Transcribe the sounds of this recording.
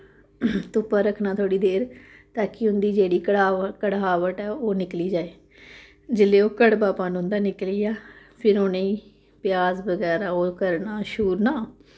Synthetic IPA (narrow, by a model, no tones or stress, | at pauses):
t̪ʊpaːɾəkʰnaːt̪ʰoːɽiːd̪eːɾ | t̪aːkiɦʊ̃nd̪iːd͡ʒeːɽiːkəaːkəɽaːʋəʈɛːoːnɪkliːd͡ʒaːeː | d͡ʒɪleːoːkəɽbaːpaːnɦʊ̃nd̪aːnɪkliːjaː | pʰɪɾoːnẽĩː | pɪjaːzbəɡɛːɾaːoːkəɾnaːʃuːɾnaː